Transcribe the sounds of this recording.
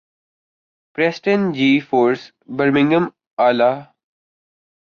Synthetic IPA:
pɾɛsʈə̃nd͡ʒiːfoːɾs | bəɾmɪ̃ŋɡə̃m | aːlaː

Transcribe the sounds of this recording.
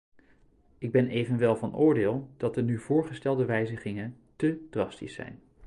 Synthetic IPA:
ɪɡ̚bɛnejvənʋɛlˠvɑnʊːɹdɪːlˠd̥ɑt̚dənyvʊːɹχəstɛlˠdəʋɛjzəχɪŋən | təd̥rɑstḭsɛ̰jn

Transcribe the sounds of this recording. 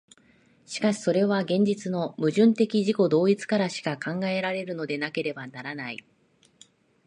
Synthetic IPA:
ɕi̥kaɕi̥so̞ɾe̞β̞aɡẽ̞ɲ̟d͡ʑit͡sɨno̞mɯ̟ʑɨ̃nt̪e̞kʲiʑiko̞d̪o̞ːit͡sɨ̥kaɾaɕi̥kakãŋɡae̞ɾaɾe̞ɾɯ̟no̞d̪e̞nake̞ɾe̞banaɾanaḭ

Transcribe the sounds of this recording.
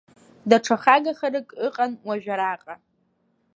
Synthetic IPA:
daʈ͡ʂʰaχaɡaχaɾɨkʼɨqʼanwaʒᶣaɾaqʼa

